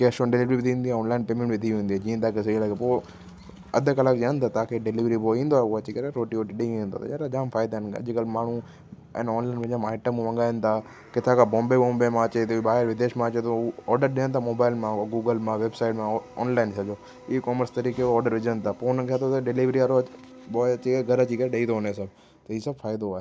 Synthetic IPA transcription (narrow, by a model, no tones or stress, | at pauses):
keɐʃõɖɪliʋɾiʋɪd̪ʰʱiĩːnd̪iaɔːnlaːɪnpeːmẽɳʈʋɪd̪ʰʱiĩːnd̪iɦɛd͡ʑĩːə̃t̪aːkɪselakepoː | ɐd̪ʱəkɐlək̚d͡ʑeənt̪at̪aːkʰeɖɪliːʋɾipoĩːn̆d̪oauɐt͡ɕikɐɾeɾoːʈioːʈɗĩĩːnd̪o̰t̪ɐ̰aɾad͡ʒaːmfʰaːɪd̪aənɐ̰d͡ʑkəlmaːɳ̤u | ɛ̰ːnɔːnlaːɪnʋɐ̃d͡ʑãmaːɪʈəmũʋɐ̃ŋɡaːənt̪ʰa | kɪt̪ʰakʰabɔ̃ːmbeɓɔ̃ːmbemãɐt͡ɕet̪ɓaːɦɪɾʋɪd̪eːʃmãɐt͡ɕet̪oɔːɾɖəɾɗiə̃nt̪ʰamoːbaːɪlmãɡuːɡəlmãʋeːbsaːɪʈmãɔ̰ːnlaːɪnsɐd͡ʑoː | ikɔːməɾst̪ɐɾiːkeɔːɾɖəɾʋɪd͡ʑənt̪ʰapoːnkʰat̪ʰot̪ɐɖɪliʋɾiaɾo | ɓɔːɐt͡ɕikɐɾeɡʱɐɾɐt͡ɕikɐɾeɗɐĩt̪oɦoneesɐb | t̪ɐiːsɐbfaːɪd̪oaːɦe